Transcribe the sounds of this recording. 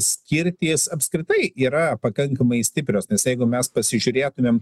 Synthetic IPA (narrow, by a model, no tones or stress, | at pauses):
sʲkʲɪɾʲt̪ʲiːsɐpʲskɾʲɪt̪ɐɪiːɾɐpɐkɐŋkɐmɐɪsʲt̪ʲɪpʲɾʲoːsnʲɛsjɛɪɡʊmʲɛspɐsʲɪʒʲʊɾʲeːt̪ʊmʲeːm